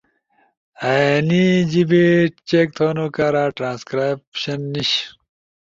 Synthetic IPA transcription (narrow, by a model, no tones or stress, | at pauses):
anid͡ʑibet͡ɕek̚t̪ʰoːnukaːɾaːʈɾãːnskɾapɕɐnːiɕ